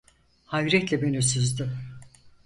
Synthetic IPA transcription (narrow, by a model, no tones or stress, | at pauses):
hajɾɛt̪lʲɛbenys̬yzd̪ɪ